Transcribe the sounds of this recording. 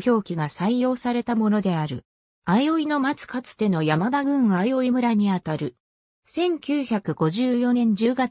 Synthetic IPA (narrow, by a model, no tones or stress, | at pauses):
ço̞ːkʲiɡasaijo̞ːsaɾe̞t̪amo̞no̞d̪e̞aɾɯ̟ | ajo̞ino̞mat͡sɨ̥kat͡sɨ̥t̪e̞no̞jamad̪aɡɯ̟̃ŋ̃ajo̞imɯ̟ɾaɲ̟iat̪aɾɯ̟ | sẽ̞ŋkʲɨːçakɯ̟ɡ̥o̞ʑɨːjo̞nẽ̞ɲ̟d͡ʑɨːɡa